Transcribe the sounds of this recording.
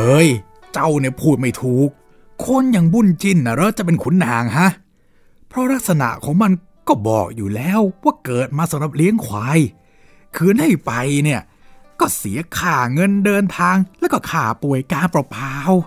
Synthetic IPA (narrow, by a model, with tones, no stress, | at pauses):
hɤː˧˥j | t͡ɕa˧wni˥˩əpʰuː˧˩t̪̚ma˥˩jt̪ʰuː˨˩k̚ʰː | o˧nja˧ŋbu˧˥˩nt͡ɕi˧˩nʔa˧˩ɾɔː˦˥t͡ɕa˨˩ʔp̬e˧nkʰu˨˦nːaː˨˩˦ŋɦa˦˥ʔ | pʰɾɔ˦˥ɾa˦˥k̚sa˧na̰˨˩ʔkʰɔː˨˦ŋma˧n | kɔː˥˩bɔ̰ː˨˩k̚juː˨˩lɛː˦˥wwaː˥˩kɤː˨˩t̪̚maː˧sa˨˦mɾa˨˩p̚li˦˥əŋkʰwaː˨˧j | kʰɯː˧nha˥˩jpa˧jni˥˩ə | kɔː˥˩si˩˦ɐkʰaː˨˩ŋɤ˧ndɤː˧nt̪ʰaː˧ŋlɛː˦˥wkɔː˥˩kʰaː˨˩pu˨˩əjkaː˧npɾa˧pʰaː˧w